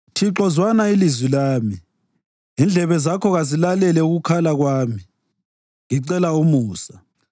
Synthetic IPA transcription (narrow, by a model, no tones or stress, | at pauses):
tʰiǁɔzwanailizwilaːmi | ind͡ɮʱɛβɛzakʰɔɣazilalɛlɛuɣukʰalaɣwaːmi | ŋiǀɛlaumuːsḁ